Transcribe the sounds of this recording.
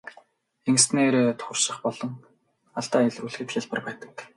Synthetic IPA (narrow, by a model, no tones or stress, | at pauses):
eŋ̆sneːɾeːt̪ʰxʊ̆rʃɪ̆χpɔɮɞ̆ŋ | aɮt̪aːjaɮuɮxɘ̆t̪xjaɮpə̆rpæːt̪ə̆k